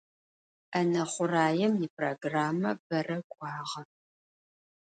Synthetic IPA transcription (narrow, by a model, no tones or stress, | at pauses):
ɐnɐχʷʊraːjɛmjipʰroɡraːmɐ̰b̥ɐrɐkʷʼɑːʁɐ